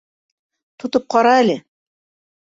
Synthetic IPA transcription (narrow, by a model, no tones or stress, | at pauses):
t̪ŏt̪ɤp̚qɑɾɑælɘ